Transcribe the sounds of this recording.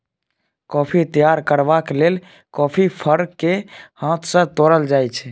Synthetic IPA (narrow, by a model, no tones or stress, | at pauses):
kɔːpʰit̪əjaɾkəɾbakelel | kɔːpʰipʰəɾkːehãt̪ʰsə̃t̪oɾəld͡ʒajt͡ʃʰɛ